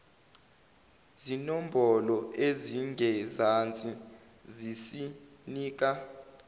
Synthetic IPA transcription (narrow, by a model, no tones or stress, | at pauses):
zinɔmbʱɔlɔʔeziŋʱɛzant͡sʼi | zisiniːk̬ʼa